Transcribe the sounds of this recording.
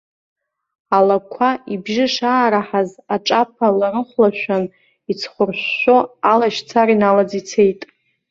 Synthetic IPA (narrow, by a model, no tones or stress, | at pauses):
alakʷʰaibʒɪʂaːɾaħazaʈ͡ʂʼap̚ʰalaɾɨχʷlaʃʷᶣan | it͡sʰχʷʊrɕːʷoalaʃt͡sʰaɾinalad͡zit͡sʰe̞jtʼ